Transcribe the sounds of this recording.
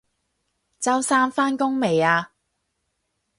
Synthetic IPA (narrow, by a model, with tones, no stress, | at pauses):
t͡sɐ˥wsaː˥nfaː˥nkʊ˥ŋme˨jaː˧